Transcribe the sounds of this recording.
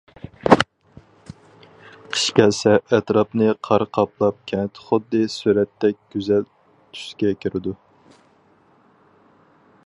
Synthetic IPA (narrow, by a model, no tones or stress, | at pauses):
qʰə̥ʃkʲɛsɛɛt̪ɾɑpnɨqʰɑɾqʰɑplˠɑp̚kʲʰɛnt̪ʰχʊd̪ːɨsyɾɛt̪ːɛk̚ʲɡ̥ʲyzɛl | t̪ʰy̥skʲɛkʲʰiɾɪd̪u